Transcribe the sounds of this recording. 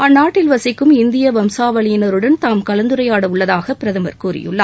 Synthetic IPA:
ɐnːaːʈːɪlʋɐsɪkːɯmɪnd̪ɪjɐʋɐmsaːʋɐɭɪjɪnɐɾɯɽɐnt̪aːmkɐlɐnd̪ɯɾɐjaːɽɐʊɭːɐðaːɣɐpɪɾɐðɐmɐ̰ɾkuːɾɪ̰jɯ̰ɭːɐ̰

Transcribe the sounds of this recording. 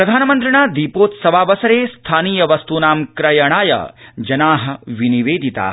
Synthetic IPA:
pɾɐd̪ʱaːnɐmɐnt̪ɾiɳaːd̪ipoːt̪sɐʋaːʋɐsɐɾeːst̪ʰaːniːjɐʋɐst̪unaːmkɾɐjɐɳ̃aːjɐ̰d͡ʒɐnaːɦɐ̆ʋiniʋeːd̪ʱit̪a̰ː

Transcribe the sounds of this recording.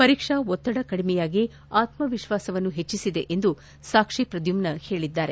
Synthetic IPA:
pɐɾiːkʂɐɔt̪ːɐɽɐkɐɽimɛjaːɡi | aːt̪mɐʋiʃʋaːsɐʋɐnːuɦe̞t͡ʃːisid̪e̞̰ʔend̪u | saːkʂipɾɐd̪jumnɐhe̞ːɭid̪ːaːɾe

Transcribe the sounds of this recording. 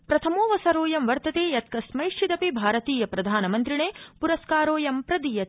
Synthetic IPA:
pɾɐt̪ʰɐmoːʋɐsɐɾoːjɐmʋɐɾt̪ɐt̪eːjɐt̪̚kɐsmɐjʂʈʰit̪ɐpibʱaːɾɐt̪iːjɐpɾɐd̪ʱaːnɐmɐnt̪ɾiɳeːpuɾɐskaːɾoːjɐmpɾɐd̪ijɐt̪

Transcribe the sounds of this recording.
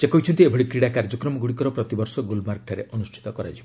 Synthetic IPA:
sekɔɦit͡ʃʰɔnt̪iebʱɔɽikɾiɽakaɾd͡ʒɔkɾɔmɔɡuɽikɔɾɔpɾɔt̪ibɔɾsɔɡulmaɾkʈʰaɾeʔɔnusʈʰi̥t̪ɔkɔɾad͡ʒibɔ

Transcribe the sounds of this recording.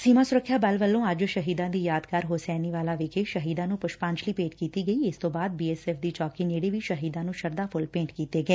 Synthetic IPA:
siːmaːsʊɾəkʰːjaːbəlʋəlːõːəd͡ʒʃəɦiːd̪ãːd̪iːjaːd̪kaːɾɦʊsɛːniːʋaːlaːʋɪkʰeːʃəɦiːd̪ãːnũːpʊʃpãːɲt͡ʃliːpeːʈkiːt̪iːɡəiːɪst̪õːbaːd̪̚biːɛːsɛːpʰd̪iːt͡ʃɔːkiːneːɽiːʋiʃəɦiːd̪ãːnũːʃəɾd̪aːpʰʊlpẽːɳʈkiːt̪eːɡəɛː

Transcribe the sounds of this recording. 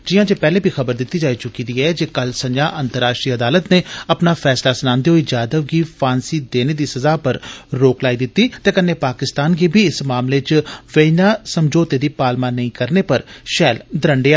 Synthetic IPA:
d͡ʒɪjãːd͡ʒeːpɛːleːbʱiːxəbəɾd̪ɪt̪ːiːd͡ʒaːiːt͡ʃʊkiːd̪iːɛːd͡ʒeːkəlsəd͡ʒãːʔənt̪əɾːaːʃʈɾiːəd̪aːlət̪neːɐpnaːfʰɛːslaːsənãːnd̪eɦoiːd͡ʒaːd̪əʋɡiːpʰaːnsiːd̪eːneːd̪iːsəzaːpəɾɾoːklaːid̪ɪt̪ːiːt̪eːkənːeːpaːkɪst̪aːnɡeːbʱiːɪsmaːmleːt͡ʃʋəinaːsəmd͡ʒoːt̪eːd̪iːpaːlmaːnəĩkəɾneːpəɾʃɛːld̪əɾəɳɖeːaː

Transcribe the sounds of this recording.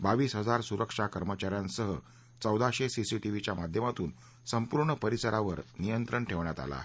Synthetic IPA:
baʋiːsɦəd͡zaɾsuɾəkʂakəɾmət͡ɕaɾjansəɦə | t͡səwd̪aɕesisiʈiʋit͡ɕjamad̪ʱjəmat̪uːn | səmpuɾɳəpəɾisəɾaʋəɾnijənt̪ɾəɳʈʰeʋɳjat̪a̰la̰

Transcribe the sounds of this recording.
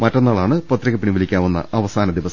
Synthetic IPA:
mɐʈːɐnːaːɭaːɳɨpɐt̪ːriɣɐpːiɳiʋɐlikʲːaːʋunːɐ̰ʔɐʋɐsaːnɐd̪iʋɐs

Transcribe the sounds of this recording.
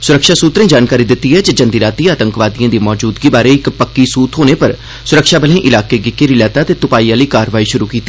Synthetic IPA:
sʊɾəkʃaːsuːt̪ɾẽːd͡ʒaːnkaːɾiːd̪ɪt̪ːiːɦɛːd͡ʒed͡ʒənd̪iːɾaːt̪iːaːt̪əŋkʋaːd̪ijãːd̪iːmɔːd͡ʒuːd̪ɡiːbaːɾeɪkpəkːiːsuːt̪ʰɦoːneːpəɾ | sʊɾəkʃaːbəlẽːʔɪlaːkeːɡɪkːeːɾilɛːt̪aːt̪eːt̪ʊpaːiːãːləikaːɾʋaːiʃʊɾuːkiːt̪ːiː

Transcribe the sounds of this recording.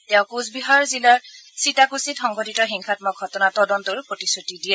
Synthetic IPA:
tɛʊkuzbiɦaɹzilaɹsitakusitxɔŋɡʱoditɔxiŋxʰatmɔk̚ɡʱɔtɔnatɔdɔntʊɹpɹotisutidijɛ

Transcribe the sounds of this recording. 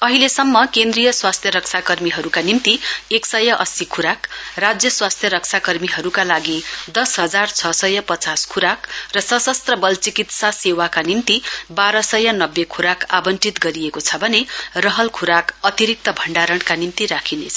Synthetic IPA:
ʌɦilesʌmːʌkend̪rijʌswast̪ʰjʌɾʌksʰakʌrmiɦʌɾukanimt̪ieksʌjʌʔʌsikʰuɾakrad͡zjʌswast̪ʰjʌɾʌksʰakʌrmiɦʌɾukalaɡid̪ʌsɦʌd͡zart͡sʰʌsʌjʌpʌt͡saskʰuɾakrʌsʌsʌst̪rʌbʌlt͡sikit̪sasewakanimt̪ibaɾʌsʌjʌnʌbːekʰuɾakabʌnʈit̪ɡʌɾiekot͡sʰʌbʱʌnerʌɦʌlkʰuɾakʌt̪iɾik̚t̪ʌbʱʌɳɖaɾʌɳkanimt̪iɾakʰinet͡sʰʌ

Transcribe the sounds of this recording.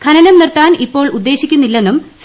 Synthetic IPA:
kʰɐnɐnɐmnirt̪aːnipːo̞ːɭud̪ːe̞ːɕikʲːunːilːe̞nːums

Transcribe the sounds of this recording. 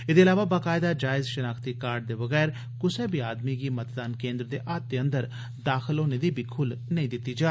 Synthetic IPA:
ɪd̪eːlaːʋaːbaːkaːɪd̪aːd͡ʒaːɪzʃənaːkʰt̪iːkaːɾɖ̚d̪eːbəɣɛːɾ | kʊseːbiːaːd̪miːɡiːmət̪d̪aːnkẽːnd̪ɾd̪eːʔaːt̪̚ːeːə̃nd̪əɾ | d̪aːxʰəlɦoːneːd̪iːbiːkʰʊlnəĩːd̪ɪt̪ːiːd͡ʒaː

